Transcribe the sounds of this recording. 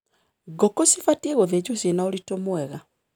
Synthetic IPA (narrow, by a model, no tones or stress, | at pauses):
ɡokosifatieɣoðed͡ʑosenaolitomwɛɣa